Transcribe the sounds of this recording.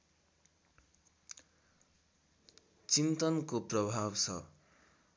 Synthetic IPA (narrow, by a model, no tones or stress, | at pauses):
t͡simt̪ʌnkoprʌbʱabt͡sʰʌ̰